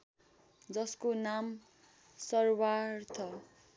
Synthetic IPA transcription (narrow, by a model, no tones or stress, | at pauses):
d͡zʌskonam | sʌrwartʰʌ